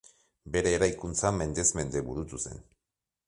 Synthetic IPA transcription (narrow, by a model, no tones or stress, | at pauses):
be̞ɾeːɾajkunt͡same̞nd̪e̞zme̞nd̪e̞βuɾut̪use̞̰n